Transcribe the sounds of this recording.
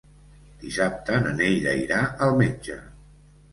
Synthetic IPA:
d̪̥isap̚t̪ənənejɾə̰iɾaəlˠmed͡ʒə

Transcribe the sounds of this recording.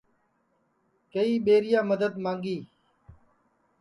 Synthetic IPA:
kəiːɓeːɾɪjãːməd̪əd̪mãːŋɡiː

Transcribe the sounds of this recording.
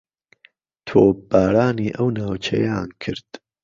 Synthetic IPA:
t̪ʰoːbaːɾaːniːʔɐwnaːwt͡ʃʰɐ̰ja̰ːnkʰɨɾd̪̥

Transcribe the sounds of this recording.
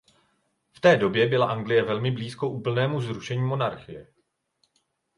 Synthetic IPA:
ft̪ɛːdo̞bjɛbɪlaʔaŋɡlɪjɛvɛlmɪbliːsko̞ʔuːpl̩nɛːmuzɾuʃɛɲiːmo̞naɾxɪjɛ

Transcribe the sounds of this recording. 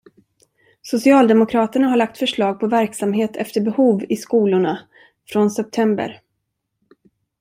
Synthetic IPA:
sʊsɪɑːld̪ɛmʊkʰɾɑːt̪əɳaɦaɭak̚t̪fœʂɭɑːɡ̚pʰɔvæɾksamɦeːt̪ʰɛft̪əɾbɛhuːvɪskuːlʊɳa | fɾɔnsɛp̚t̪ʰɛmbə̰ɾ

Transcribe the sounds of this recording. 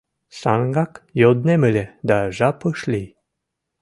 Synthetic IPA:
saŋɡakjod̪neməlʲed̪aʒapəʃlʲi

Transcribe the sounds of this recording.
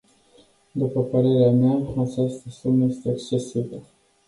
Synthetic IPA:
d̪upəpəɾe̞ɾeameaat͡ʃast̪əsuməje̞st̪eːkst͡ʃe̞sibilə

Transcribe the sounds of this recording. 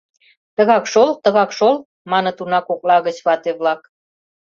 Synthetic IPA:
t̪əɣɑkʃolt̪ə̆ɣɑkʃol | mɑnɤ̆t̪unɑkok̚lɑɣət͡ɕβɑt̪eβlɑk

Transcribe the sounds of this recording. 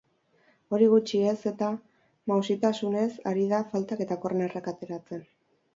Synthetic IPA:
o̞ɾiɣ̞ut͡ʃie̞se̞t̪a | mawsit̪asune̞sa̰ɾiðafalt̪ake̞t̪ako̞rnerakat̪e̞ɾat͡se̞n

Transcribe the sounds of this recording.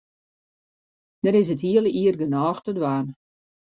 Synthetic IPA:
d̥əɾɪs̬əthiələiərɡənɔːxtədwaːn

